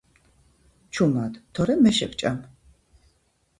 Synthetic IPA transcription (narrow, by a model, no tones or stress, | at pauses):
t͡ʃʰumad̪t̪ʰɔɾɛmɛʃɛ̰kt͡ʃʼam